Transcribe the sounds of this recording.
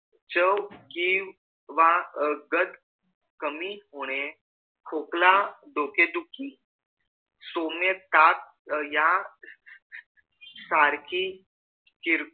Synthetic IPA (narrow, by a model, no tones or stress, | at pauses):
t͡ɕəwki | ʋaɡət̪ | kəmiɦoɽ̃e | kʰoklad̪oked̪ukʰi | somjət̪at̪̚ | ja | saɾki | kiɾ